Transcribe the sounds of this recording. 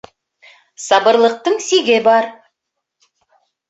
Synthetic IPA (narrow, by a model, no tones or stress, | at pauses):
sɑbəɾlˠəq̚t̪əɴsiɡʲebɑɾ